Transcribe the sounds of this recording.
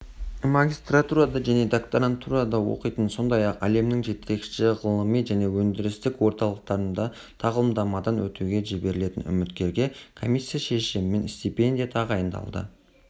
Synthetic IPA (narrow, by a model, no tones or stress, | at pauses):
maɡʲist̪rat̪uɾad̪ɑʒæne̞d̪akt̪oɾant̪uɾad̪ɑwo̞̰qəjt̪ənso̞nd̪ɑjɑqæ̰le̞mnɪŋʒe̞t̪ʰe̞kʃɪʁəlˠəmijʒæne̞wɵnd̪ɪɾɪst̪ɪkwo̞ɾt̪ɑlˠəq̚t̪ɑɾənd̪ɑ | t̪ʰɑʁəlˠəmd̪ɑmɑd̪ɑnwɵ̰t̪ʰeɡʲe̞ʒɪbe̞ɾɪle̞t̪ɪnʏ̰mɪt̪kʲe̞ɾɡʲe̞kʰo̞mijsʲːijaʃe̞ʃɪmɪme̞nst̪ipe̞nd̪ʲijat̪ʰɑʁɑjənd̪ɑ̰lˠd̪ə̰